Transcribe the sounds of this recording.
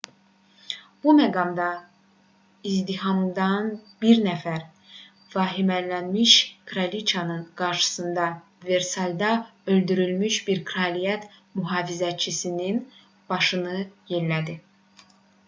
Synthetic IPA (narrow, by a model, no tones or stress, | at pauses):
b̥umæɡɑmd̪ɑ | izd̪iɦɑmd̪ɑnbiɾnæfæɾ | vɑːɦimælːænmiʃkʰɾalit͡ʃʰɑnɯnɡ̥ɑɾʃɯ̥sɯnd̪ɑ | ve̞ɾsɑld̪ɑø̞ld̪yɾylmyʃbiɾkʰɾɑlijæt̪ | myɦɑːvizæt͡ʃʰisinin | b̥ɑʃɯnɯje̞nlæd̪i